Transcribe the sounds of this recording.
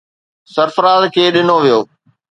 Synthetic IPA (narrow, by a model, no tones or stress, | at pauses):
sɐɾfəɾaːzkʰeːɗɪnoʋijoː